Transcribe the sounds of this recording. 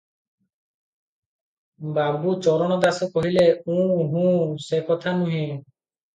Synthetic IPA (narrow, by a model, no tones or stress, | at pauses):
babut͡ʃɔɾɔñɔd̪asɔkɔɦileũɦũsekɔt̪ʰanũɦĩ